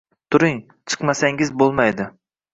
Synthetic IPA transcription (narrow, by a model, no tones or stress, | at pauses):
t̪ʰʊɾɪŋ | t͡ʃʰɨ̥qmasaŋɪzbolˠmajd̪ɪ